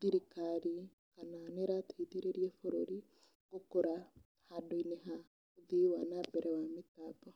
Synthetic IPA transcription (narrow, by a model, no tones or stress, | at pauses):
d̪̥iɾikaɾi | kananeɾat̪id̪iɾeɾiɛfɔɾoɾi | ɡokoɾa | hadoinɛɦa | ud̪iwanabɛɾʔɛwamit̪abɔ